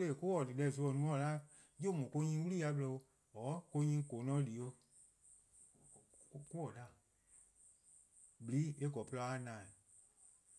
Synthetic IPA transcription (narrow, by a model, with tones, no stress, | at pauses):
le˦˨ku˦wɔ˨dɨ˨lɛ˧˨s̬u˧ɔ˨nũ˨˦ɔ˨la˦ | d͡ʒo˦mɔ̃˨ko˧˦ɲĩ˧˦wu˦liː˦ja˨˧˦blɔ˧o˧ | ɔː˨˦ko˧ɲĩ˧˦ko˨˦nɔ̃ː˦liː˨o˦ | ku˦wɔ˨la˨ | bi˨li˨˦e˦ɡɔ˨pə˧a˧˦nãː˨